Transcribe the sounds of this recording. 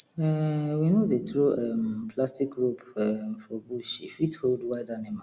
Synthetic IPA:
ɛwinodetɾuɛmpʰlastik̚ɡɾupɛmfɔbuʃḭwitʰoldwaɪdanɛ̃mã

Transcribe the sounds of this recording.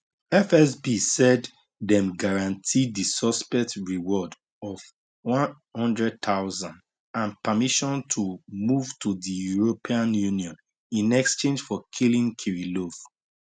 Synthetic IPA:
ɛfɛs̬bisɛd | dɛ̃mɡaɹãntʰidisɔspɛk̚tɹiwɔd | ɔv | wɔ̃n | hɔ̃ndɹɛd̚t̪ʰaʊzãnd | ãnpəmiʃɔ̃ntʰumuv̥tʰuðijuɹopʰiãnjuniɔ̃n | ĩnɛkst͡ʃẽnd͡ʒfɔkʰilĩŋkʰiɹilof

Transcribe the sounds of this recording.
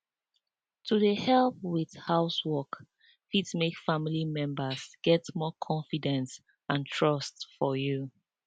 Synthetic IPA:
tʰuðəhɛlp̚wið̥haʊswɔk | fidsmekfamilimɛ̃mbəsɡ̥ɛtmɔkʰɔ̃ɱfidɛ̃ns | ãntʰɹʌstfɔju

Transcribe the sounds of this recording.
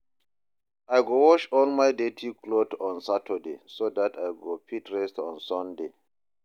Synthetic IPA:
ajɡowɔʃɔnmajdetʰikʰlotɔ̃nsatʰədḛsodatʰajɡopʰitʰɹɛstɔ̰̃nsɔ̃nde

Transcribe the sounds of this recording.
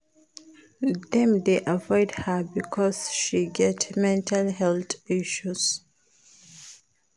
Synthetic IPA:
dɛ̃md̪eʔavɔɪdhəbikʰɔsʃiɡɛtmɛ̃ntʰalhɛlt̪iʃus

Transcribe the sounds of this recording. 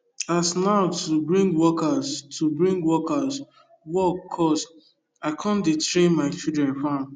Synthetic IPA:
asnaʊtʰubɹĩŋɡwɔkastʰubɹĩŋɡwɔkas | wɔkʰːɔs | aɪkʰɔ̃mdetɾẽnmaɪt͡ʃidɹɛ̃nfãn

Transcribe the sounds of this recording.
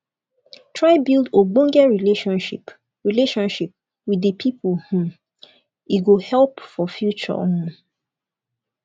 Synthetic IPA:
tʰɹaɪbilˠdobɔ̃ŋɡɛɹileʃɔ̃nʃḭp | ɹileʃɔ̃nʃip̚ | widəpʰipʰulhũm | iɡohɛlpfɔfjut͡ʃɔ̰hũ

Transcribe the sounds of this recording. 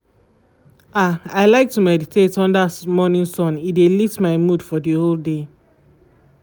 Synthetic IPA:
aaɪlaɪk̚tumɛditʰetɔ̃ndamɔnĩnsɔ̃nidelitmaɪmud̥fɔdiolˠde

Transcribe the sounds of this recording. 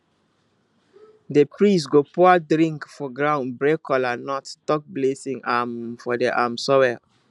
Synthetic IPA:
depɹistɡopuadɹĩŋkfɔɡɹãʊ̃nbɹekɔlanɔttɔk̚blesĩŋamfɔdeʔamsɔwɛ

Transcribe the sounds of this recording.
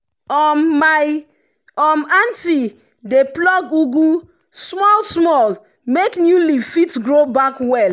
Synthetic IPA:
ɔmːaj | ɔmãnti | deplɔɡuɡũ | smɔlsmɔl | meknjulifitɡɹobakwɛl

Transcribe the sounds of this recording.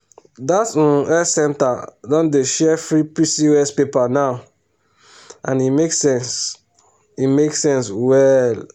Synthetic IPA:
datsɔ̃ɛsɛ̃ntadɔ̃ndeʃɛfɹipisiɛspepanaʊ | ã̰nimeksɛ̃ns | imeksɛ̃nswɛl

